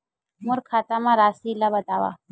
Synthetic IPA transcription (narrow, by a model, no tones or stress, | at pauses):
muɾkʰat̪amãɾasilːabət̪aʋa̰